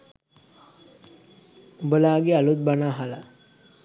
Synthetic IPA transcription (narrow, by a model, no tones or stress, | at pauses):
ubəlaːɡealut̪̚banaːɦala